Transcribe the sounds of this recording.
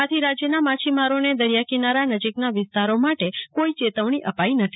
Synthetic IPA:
at̪ʰiɾad͡ʒjənamat͡ʃʰimaɾoned̪əɾjakinaɾanəd͡ʒiknaʋɪst̪aɾomaʈekoit͡ʃet̪əʋɳ̃iʔəpainət̪ʰi̥

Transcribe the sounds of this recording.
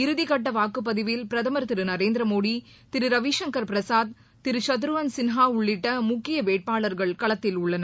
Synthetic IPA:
ɪɾɯðɪkɐʈːɐʋaːkːɯp̬ːɐðɪʋɪlpɪɾɐðɐmɐɾt̪ɪɾɯnɐɾeːnd̪ɾɐmoːɽi | t̪ɪɾɯɾɐʋiːʂɐŋkɐɾpɪɾɐsaːd̪̚ | t̪ɪɾɯt͡ʃɐt̪̬ɯɾɯʋɐnsɪnɦaːʊɭːɪʈːɐmʊkːɪjɐʋeːʈ̚paːɭɐɾɣɐɭkɐɭɐt̪ːɪlʊɭːɐnɐ

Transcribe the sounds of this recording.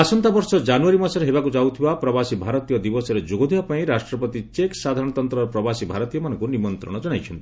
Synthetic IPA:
asɔnt̪abɔɾsɔd͡ʒanuaɾimasɔɾeɦebakud͡ʒawt̪ʰibapɾɔbasibʱaɾɔt̪ijɔd̪ibɔsɔɾed͡ʒoɡɔd̪ʱibapaĩɾasʈɾɔpɔt̪it͡ʃeksad̪ʱaɾɔɽ̃ɔt̪ɔnt̪ɾɔɾpɾɔbasibʱaɾɔt̪ijɔmanɔŋkunimɔnt̪ɾɔ̰ɽ̃ɔd͡ʒɔɽ̃ajt͡ʃʰɔnt̪i

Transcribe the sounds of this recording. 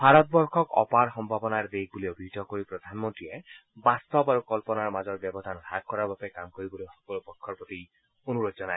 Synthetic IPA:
bʱaɾɔt̪̚bɔɹkʰɔkɔ̰paɾxɔmbʱabɔnaɹd̪eɦɡuliobʱid̪ʱɔkoɹipɾɔd̪ʱanmɔntɹiebast̪ɔbaɾukɔlpɔnaɹmazɔɹbjɔbɔd̪ʱantak̚kːɔɾaɹbapɛkamkoɾibɔlojxɔ̥kɔlopɔkʰːɔɹpɔt̪i | onuɾod̪d͡ʒɔnae

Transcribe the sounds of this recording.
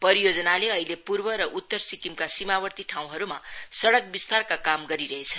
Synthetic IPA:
pʌɾijod͡zʌnaleʌɦilepurbʌɾʌʔut̪ːʌrsikimkasimabʌrt̪iʈʰaw̃ɦʌɾuma̰sʌɽʌk̚bist̪arkakamɡʌɾiɾʌɦet͡sʰʌn

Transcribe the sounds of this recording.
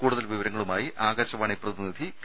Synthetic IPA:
kuːɽuðɐlʋiʋɐɾɐŋːɐɭumaːjiʔaːɡɐɕɐʋaːɳiprɐðinid̪ʱiɡ

